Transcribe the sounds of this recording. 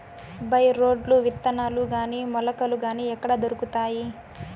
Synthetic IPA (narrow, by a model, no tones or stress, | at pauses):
bɐjɾo̞ːɖluʋit̪ːɐnaːluɡaːniːmɔlɐkɐluɡaːniːɛkːɐɽɐd̪oɾukut̪aːji